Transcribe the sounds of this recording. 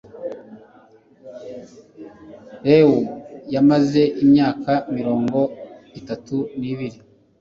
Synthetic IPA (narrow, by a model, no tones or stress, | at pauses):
ɾewujamaze̞ʔimɲaːkamiɾo̞ːŋɡo̞ | itatuniβiɾi